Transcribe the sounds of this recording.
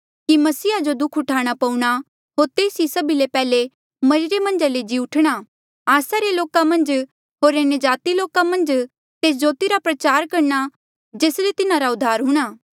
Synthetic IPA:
kimɐsiːad͡ʒod̪ʊkʰʊʈʰaːɽ̃apɐũɽ̃a | ɦoːɾt̪eːsisɐbilepɛːle | mɐɾɪɾemɐ̃nd͡ʒaled͡ʒiʊʈʰɽ̃a | aːsaɾeloːkamɐ̃nd͡ʒ | ɦoːɾenjəd͡ʒaːt̪iloːkamɐ̃nd͡ʒ | t̪eːs̬d͡ʒoːt̪iɾapɾɐt͡ʃaːɾkɐɾna | d͡ʒeːslet̪ɪnãɾaʊd̪ʱːaːɾɦʊɽ̃aː

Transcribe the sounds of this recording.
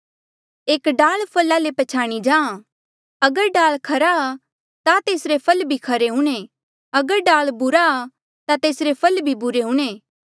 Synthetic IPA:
eːkɖaːlpʰɐlalepɐt͡ʃʰaːɽ̃id͡ʒãːã | ɐɡəɾɖaːlkʰɐɾaa | t̪at̪eːsɾepʰɐlbʱikʰɐɾeɦũɽ̃ẽ | ɐɡəɾɖaːɭbʊɾaː | t̪at̪eːsɾepʰɐlbʱibʊɾeɦʊ̃ːɽ̃eː

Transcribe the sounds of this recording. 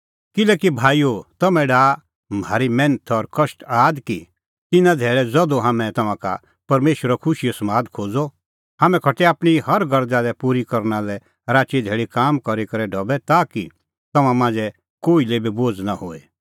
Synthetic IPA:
kɪlɛːkibʱaːiot̪ɐmɛ̃ɖaː | maːɾimɛ̃ːnət̪ʰɔɾkɐʃʈaːd̪ki | t̪ɪnãd̪ʱeːɭɛd͡zɔd̪oɦaːmɛ̃t̪ɐmãka̰ | pɐɾmeːʃwəɾɔkʰʊʃijosɐmaːd̪kʰoːd͡zɔ | haːmɛ̃kʰɐʈɛaːpɽ̃ihɐɾɡʱɐɾd͡zaːd̪ɛpuːɾikɐɾnalɛ | ɾaːt͡ʃid̪ʱeːɽikaːmkɐɾikɐɾɛɖʱɔbɛt̪aːki | t̪ɐmãmãːnd͡zɛ | koːilebiboːd͡znahoːɛ̰

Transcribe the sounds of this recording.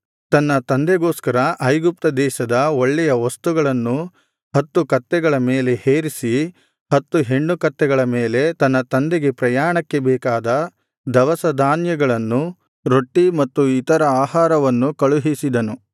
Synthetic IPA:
t̪ɐnːɐt̪ɐnd̪ɛɡo̞ːskɐɾɐʔɐjɡup̚t̪ɐd̪ɛːʃɐd̪ɐoɭːɛjɐʋɐst̪uɡɐɭɐnːu | hɐt̪ːukɐt̪ːɛɡɐɭɐmeːle̞heːɾisi | hɐt̪ːuɦe̞ɳːukɐt̪ːɛɡɐɭɐmeːle̞t̪ɐnːɐt̪ɐnd̪eɡe̞pɾɐjaːɳɐkːebɛːkaːd̪ɐ | d̪ɐʋɐsɐd̪ʱaːnjɐɡɐɭɐnːu | ɾo̞ʈːimɐt̪ːuit̪ɐɾɐaːhaːɾɐʋɐnːukɐɭuɦisid̪ɐnu

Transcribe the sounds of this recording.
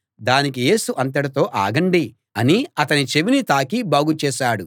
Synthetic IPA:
d̪aːnikije̞ːsuʔɐnt̪̬ɐɽɐt̪o̞ːʔaːɡɐɳɖi | ɐniɐt̪ɐnit͡ʃeʋinit̪aːkibaːɡut͡ʃɛːʃaːɽu

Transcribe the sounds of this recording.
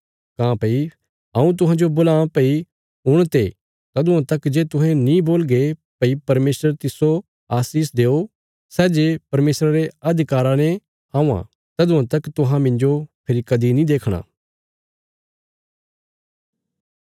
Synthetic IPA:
kãːpɐi | ɐũt̪̬ʊɦãːd͡ʒobʊlãːpɐi | ʊɽ̃t̪e | t̪ɐd̪ʊãt̪ɐkd͡ʒeːt̪ʊɦɛ̃nĩboːlɡepɐipɐɾmeːsɾəɾt̪ɪso | aːsiːs̬d̪eːo | sɛːd͡ʒepɐɾmeːsɾaɾeɐd̪ʱɪkaːɾanẽ | ãːã̰ | t̪ɐd̪ʊãt̪ɐkt̪ʊɦãmɪ̃nd͡ʒopʰɪɾikɐd̪inĩd̪eːkʰɽ̃a̰ː

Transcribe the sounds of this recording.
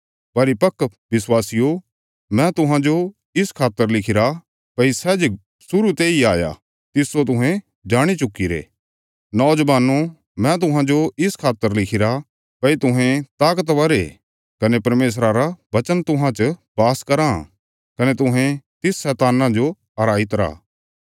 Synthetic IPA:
pɐɾipɐkːʋɪswaːsijo | mɛ̃t̪ʊɦãd͡ʒo | ɪskʰaːt̪ːəɾlɪkʰɪɾa | pɐisɛd͡ʒ | sʊɾut̪eːiaːja̰ | t̪ɪsːot̪̬ʊɦɛ̃ | d͡ʒaːɽ̃it͡ʃʊkːiɾḛː | nɔːd͡ʒəʋaːno | mɛ̃t̪̬ʊɦãd͡ʒoɪskʰaːt̪ːəɾlɪkʰɪɾa | pɐit̪ʊɦẽt̪aːkət̪ʋɐɾḛ | kɐnepɐɾmeːs̬ɾaɾabɐt͡ʃənt̪ʊ̃ɦãt͡ʃbaːskɐɾã̰ | kɐnet̪ʊɦɛ̃t̪ɪsːɛːt̪aːnãd͡ʒo | ɐɾaːit̪ɐɾa̰ː

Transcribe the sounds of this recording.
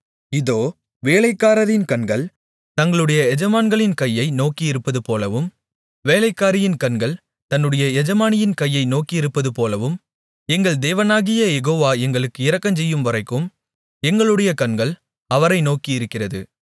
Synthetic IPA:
ɪðoː | ʋeːlɐɪkːaːɾɐðɪnkɐnɡɐɭ | t̪ɐŋɡɐɭɯɽɐjɐɛd͡ʒɐmaːnɡɐɭɪnkɐjːɐɪnoːkiɪɾɯpːɐðɯpoːlɐʋɯm | ʋeːlɐɪkːaːɾɪjɪnkɐnɡɐɭ | t̪ɐnːɯɽɐjɐɛd͡ʒɐmaːnɪjɪnkɐjːɐɪnoːkiɪɾɯpːɐðɯpoːlɐʋɯm | ɛŋɡɐɭd̪eːʋɐnaːɣɪjɐjɛɣoːʋaːɛŋɡɐɭɯkːɯɪɾɐkːɐmt͡ʃ̬ɛjːɯmʋɐɾɐɪkːɯm | ɛŋɡɐɭɯɽɐjɐkɐnɡɐɭ | ɐʋɐɾɐɪnoːkiɪɾɯkːɪrɐðɯ̰

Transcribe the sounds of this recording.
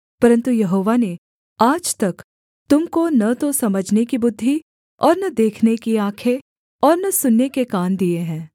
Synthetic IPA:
pɐɾə̃nt̪ujɐɦoːʋane | aːd͡ʒt̪ɐk | t̪ʊmkonɐt̪osɐməd͡ʒʱnekibʊd̪ʱːi | ɔːɾnɐd̪eːkʰnekiãːkʰe | ɔːɾnɐsʊnːekekaːnd̪ieɦɛ̃ː

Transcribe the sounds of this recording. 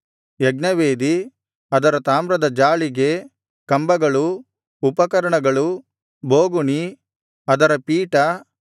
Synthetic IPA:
jɐɡnɐʋeːd̪i | ɐd̪ɐɾɐt̪aːmɾɐd̪ɐd͡ʒaːɭiɡe | kɐmbɐɡɐɭu | upɐkɐɾɐɳɐɡɐɭu | boːɡuɳi | ɐd̪ɐɾɐpiːʈɐ

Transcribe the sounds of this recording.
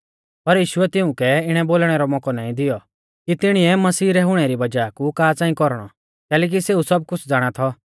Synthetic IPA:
pɐɾjiːʃʊɛt̪ɪũkɛɪɽ̃ɛboːlɽ̃ɛɾɔmɔkɔnaːĩd̪ɪjɔ | kit̪ɪɽ̃iɛmɐsiːɾɛɦʊɽ̃ɛɾibɐd͡ʒaːkukaːt͡sãːĩkɔɾɽ̃ɔ̰ | kɛːlɛːk̬iseːusɐb̚kʊt͡ʃʰd͡zaːɽ̃at̪ʰɔ

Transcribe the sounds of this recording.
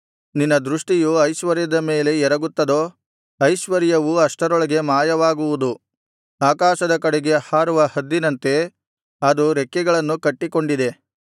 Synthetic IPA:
ninːɐd̪ɾuʂʈijuɐjʃʋɐɾjɐd̪ɐme̞ːle̞ɛɾɐɡut̪ːɐd̪o̞ː | ɐjʃʋɐɾjɐʋuɐʂʈɐɾɔɭɐɡe̞maːjɐʋaːɡuʋud̪u | aːkaːʃɐd̪ɐkɐɽeɡe̞haːɾuʋɐhɐd̪ːinɐnt̪e̞ | ɐd̪uɾekːɛɡɐɭɐnːukɐʈːiko̞ɳɖid̪e̞

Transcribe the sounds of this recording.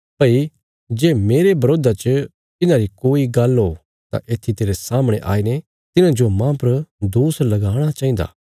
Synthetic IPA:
pɐi | d͡ʒeːmeːɾebɐɾoːd̪at͡ʃə | t̪ɪnãɾikoːiɡɐlɦo | t̪a̰ʔeːt̪ʰit̪eːɾesaːməɽ̃eʔa̰ːine | t̪ɪnãd͡ʒomãpɐɾd̪oːslɐɡaːɽ̃at͡ʃaːɦɪ̃nd̪a̰ː

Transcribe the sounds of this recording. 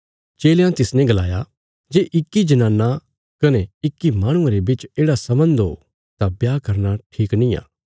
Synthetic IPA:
t͡ʃeːljãt̪ɪsnɛ̃ɡɐlaːja | d͡ʒeːʔɪkːid͡ʒɐnaːnːa | kɐneɪkːimaːɽ̃ʊ̃ãɾebɪt͡ʃeːɽasɐbə̃nd̪ɦo̰ː | t̪ãbjaːkɐɾnaʈʰiːknĩa̰ː

